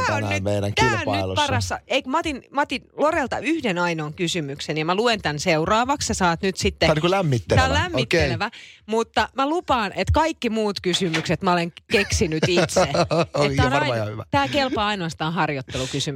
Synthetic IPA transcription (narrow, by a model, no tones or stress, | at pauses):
t̪ːæonnnytmmeiɾæ̰ŋk̪iːlponɑnyt̪lo̰pɑːrɑsːɑeikmɑt̪inmɑt̪inlorelt̪ɑyhdenɑinoːŋkysymyksenjɑmæluent̪ænseurɑːʋɑksjɑsɑːt̪nyt̪sit̪ːenikulæmːit̪ːeæollæmːit̪kːeleʋæmut̪ːɑmælupɑːnʔet̪kɑikːimuːt̪kysymykset̪mæoleŋkeksinyt̪it̪seeæonɑɑjɑhyʋæt̪æːkelpɑːɑinoɑst̪ɑːnɦhɑrjot̪ːelukysym